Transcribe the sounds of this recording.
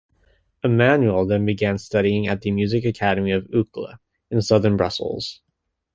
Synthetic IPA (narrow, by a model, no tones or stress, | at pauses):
ɨmæ̃njul̩ˠðɨ̃nbɨɡæ̃nstʌɾiɪ̃ŋɨ̰t̪̚ðɨmjʉzɨkɨkʰæɾɨmiʌvʉklə̰ | ɨ̃nsʌðə̃˞nbɹʌ̰sl̩ˠz̥